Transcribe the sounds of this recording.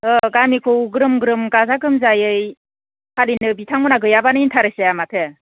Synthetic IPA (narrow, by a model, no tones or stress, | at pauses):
ɯɡamikʰɯwɡɾɯmɡɯɾɯmɡazaɡɯmzajɯj | kʰalinɯbitʰaŋunaɡɯjabanɯintʰaɾɯsejamatʰɯ